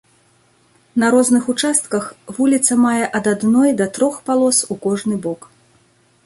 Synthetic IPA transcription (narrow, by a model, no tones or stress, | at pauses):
nɐɾɔznɨxut͡ʂast̪kɐxvulʲit̪sɐmajɛʔɐd̪ad̪nɔjd̪ɐt̪ɾɔxpalˠɔsukɔʐnɨbɔk